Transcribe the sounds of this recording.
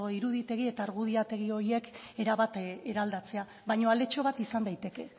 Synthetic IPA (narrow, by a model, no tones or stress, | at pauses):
oiɾuðit̪e̞ɣie̞t̪aːɾɣuð̞iat̪e̞ɣio̞ɾie̞ke̞ɾaβat̪eɾald̪at͡se̞a | βajɲo̞ale̞t͡ʃo̞βat̪isand̪ajt̪e̞ke̞